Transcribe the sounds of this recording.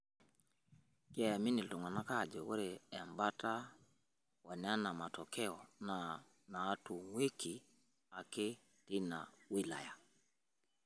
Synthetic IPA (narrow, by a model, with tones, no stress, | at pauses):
ke˦ja˨mi˦ni˨ltu˨ŋa˨na˦ka˦˨d͡ʒɔ˨wɔ˦ɾe˨e˨mba˦ta˦ | wa˨n˨˦a˦na˨ma˨tɔ˨kɛ˦ɔ˨na˨ | naː˨˦tu˨ŋwe˦ki˨ | a˨ke˦ | ti˦na̰˨wi˦la̰˨ja˨